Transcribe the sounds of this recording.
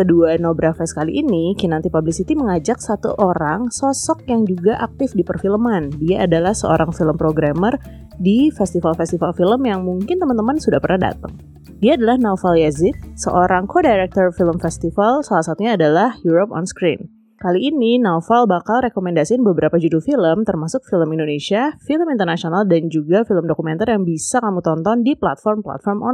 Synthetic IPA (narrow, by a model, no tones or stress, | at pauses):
kəduanobɾafɛsə̥kalḭʔinikinant̪ipablisit̪iməŋad͡ʒak̚sat̪ṵʔoɾaŋsɔsɔk̚jaŋd͡ʒuɡaʔak̚t̪ɪfdipərfiləmandiaʔadalahsə̰o̰ɾaŋfiləmpɾoɡɾamər | difɛst̪ifalfɛst̪ifalfiləmjaŋmuŋkɪnt̪əmant̪əmansudahpərnahda̰t̪ə̰ŋ | diaːdalahnawfaljazɪt̪̚sə̰ʔoɾʔaŋkodajɾɛk̚t̪ɔrfiləmfɛst̪ifalsalahsat̪uɲaːdalahjuɾop̚ɔ̰nskɾḭn | kaliːninafalbakalrekomɛndasiɪnbəbəɾapad͡ʒudufiləmt̪ərmasʊk̚filəmindonesiafiləmint̪ərnasionaldand͡ʒuɡafiləmdokumɛnt̪arjaŋbisakamut̪ɔnt̪ɔndipla̰t̪fɔrmpla̰t̪fɔrmʔɔ̰